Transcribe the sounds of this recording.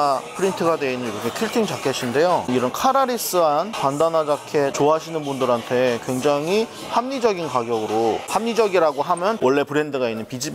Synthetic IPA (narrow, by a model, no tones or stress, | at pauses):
pʰɯɾintʰɯɡadweinːɯniɾʌkʰe̞kʰiɭtʰiŋt͡ɕakʰeɕʰinde̞joniɾʌnkʰaɾaɾis͈ɯanpandanad͡ʑakʰe̞t͡ɕoɦaɕʰinɯnbundɯɾɦantʰe̞kwe̞ŋd͡ʑaŋi | hamɲid͡ʑʌɡinkaɡjʌɡɯɾohamɲid͡ʑʌɡiɾaɡoɦamjʌnwʔʌɭːe̞pɯɾe̞ndɯɡainːɯnpid͡ʑib